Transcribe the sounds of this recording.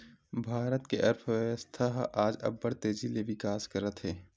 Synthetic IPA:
bʱaːɾət̪keʔɐɾpʰʋəʋəst̪ʰaɦaːd͡ʒɐ̰bːəɾt̪eːzileʋɪkaːskɐɾət̪ɦɛː

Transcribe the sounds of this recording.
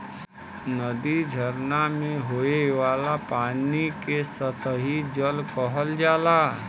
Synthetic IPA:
nəd̪id͡ʒʱəɾnamẽɦoːeʋaːlapaːnikesət̪ʰɦid͡ʒəlkəɦəld͡ʒaːlaː

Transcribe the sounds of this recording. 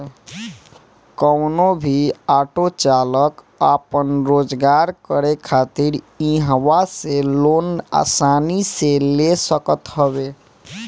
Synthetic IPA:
kəʊnobʱiaʈot͡ʃalək | apənɾod͡ʒɡaɾkəɾekʰat̪iɾ | iɦwaselona̰saniselesəkət̪ɦəbe

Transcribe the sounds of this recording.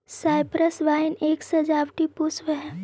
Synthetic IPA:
saːɪpɾəsʋaːɪneːksɐd͡ʒaːbʈipusʋəɦɛ

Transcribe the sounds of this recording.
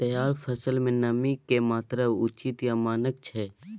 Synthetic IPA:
t̪əjaːɾpʰəsəlmẽnəmikemaːt̪ɾəʊt͡ʃɪt̪jamaːnək̚t͡ʃʰɛː

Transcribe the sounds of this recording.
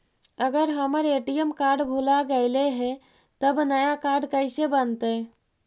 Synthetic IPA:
əɡəɾɦəməɾeːʈijəmkaɾɖbʱulaɡəɪleɦɛ̃ | t̪əbnəjakaɾɖkəɪsebənt̪e

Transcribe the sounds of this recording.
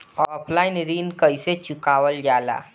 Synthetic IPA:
ɔːpʰlaːɪnɾiːnkəiset͡ʃʊkaːʋəld͡ʒaːla̰ː

